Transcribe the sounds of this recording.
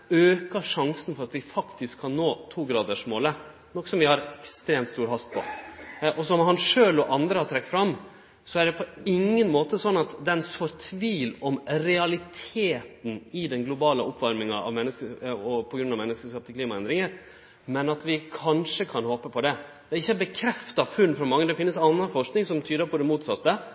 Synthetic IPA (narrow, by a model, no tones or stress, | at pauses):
øːkəʂɑŋsən̩fɔɾɑt̪ʋɪfɑkt̪ɪskʰːɑnnoːt̪ʰuːɡɾɑːd̪əʂmoːlə | nɔkːsɔmʋɪhɑɾɛkst̪ɾeːmt̪st̪uːɾɦɑst̪̚pʰɔʔɔsɔmhɑnʂøːlɔʔɑnd̪ɾəhɑʈ̪ʰɾɛkːt̪fɾɑmː | sɔæɖɛpʰɔɪŋːənmoːt̪əsɔnːɑt̪d̪ɛnsfɔɾt̪ʰʋiːlɔmɾɛɑlɪt̪ʰeːt̪n̩ɪd̪ɛnɡlʊbɑːləʔɔpːʋɑɾmɪŋɑʔɑ̰ʋmɛnːəskəɔpʰɔɡɾʉnɑʋmɛnːəskəʂkɑːp̚t̪ʰɪkliːmɑɛnd̪ɾɪŋəɾ | mɛnɑt̪ʋɪkʰɑnʂəkʰɑnhoːpəpʰɔd̪ɛd̪̥ɛɪçːəbəkʰɾɛft̪ɑfʉnːfɾɑmɑŋːəd̪ɛfɪnːəsɑnːɑfɔʂknɪŋsɔmt̪ʰyːd̪əɾpʰɔd̪ɛmuːt̪sɑt̪ːə